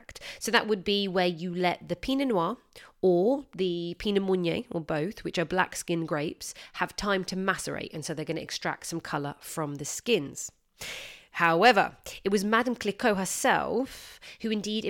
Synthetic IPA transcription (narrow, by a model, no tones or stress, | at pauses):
k̚tsəʊðə̰ʔwəd̚biwəjəlɛʔ̪̚ðəpʰinənwɑəðɨpʰinəmɔ̃njeɪəbəʊθwɨt͡ʃəbla̰kskɪ̃nɡɹeɪpshəv̥tʰãɪ̃mtʰəmasə̰ɹḛɪtə̃nsəʊðəɡʌñəɛ̰kstɹ̥a̰k̚tsʌ̃mkʰʌləfɹə̃mðəskɪ̃nz̥ | haʊɛvə̰ɪt̚wɒzmadə̃mkʰl̥ɪkʰəʊɦəsɛ̰lˠfhʉɨ̃ndiɾɪ